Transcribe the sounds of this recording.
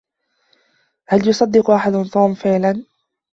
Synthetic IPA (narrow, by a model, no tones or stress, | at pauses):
haljʊsˤɑd̪ːɪqʔaħad̪ʊt̪ˤuːmfɪʕlan